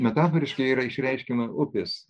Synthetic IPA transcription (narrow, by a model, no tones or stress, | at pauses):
mʲɛt̪ɑːfɔɾʲɪʃkʲɐɪiːɾɐɪʃʲɾʲɛɪʃʲkʲɪnɐʊpʲɪs